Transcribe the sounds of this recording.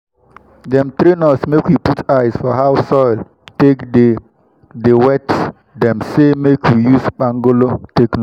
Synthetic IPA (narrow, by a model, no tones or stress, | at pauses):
dɛ̃mt̪ɾinɔsmekwiputʰaɪsfɔɦawsɔɪl | tekde | dewɛts | dɛ̃msemekʰwijusbãŋɡolotekn